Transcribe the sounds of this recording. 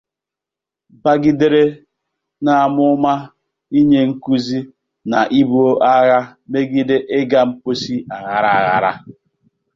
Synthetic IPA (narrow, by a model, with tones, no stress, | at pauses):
ba˦ɡi˦de˦ɾe˦ | na˨a˨mʊ˦ma˦ | i˦ɲe˦ŋ̩˦ku˦zi˦ | na˨ʔi˦bu˦o˦ʔa˦ɣa˦me˦ɡi˦de˦ʔe˦ɡa˦m̩˦po˦si˦a˨ɣa˨ɾa˨a˨ɣa̰˨ɾa̰˦